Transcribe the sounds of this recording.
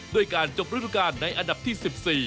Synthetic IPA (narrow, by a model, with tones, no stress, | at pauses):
doː˧əjkaː˧nt͡ɕo˧˩p̚ɾu˥pʰːa˧kaː˧˩nːa˧jʔa˧nda˨˩p̚t̪ʰiː˥˩si˨˩p̚siː˨˩